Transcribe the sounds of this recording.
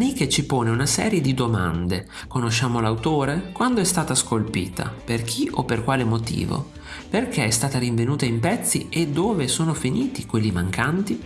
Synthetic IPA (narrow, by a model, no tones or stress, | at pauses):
anik̟et͡ʃipoːneunasɛ̰ːɾjed̪id̪oma̰nd̪e | konoʃːaːmolawt̪oːɾekwand̪oɛst̪aːt̪askolpḭːt̪ʰa̰perk̟ʰiʔopːerkwaːlemot̪ḭːvo̰ | perk̟eɛst̪aːt̪aɾiɱvenuːt̪aimpɛt̪sːḭed̪ːoːvesoːnofiniːt̪ikwelːimaŋkʰant̪i